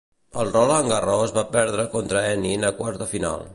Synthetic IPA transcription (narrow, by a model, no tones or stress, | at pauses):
əlˠrɔləŋɡərɔzβapɛɾð̞ɾəkont̪ɾəɛninəkwaɾt̪əfina̰lˠ